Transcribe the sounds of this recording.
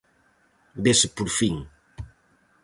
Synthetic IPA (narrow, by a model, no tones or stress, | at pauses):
bespuɾfiŋ